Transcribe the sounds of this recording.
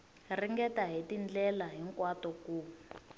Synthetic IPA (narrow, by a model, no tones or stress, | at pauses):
riŋɡɛtaɦitind͡ɮɛlaɦiŋkwatɔkuː